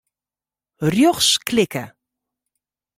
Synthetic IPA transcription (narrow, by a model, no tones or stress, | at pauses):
rjɔχsklɪkə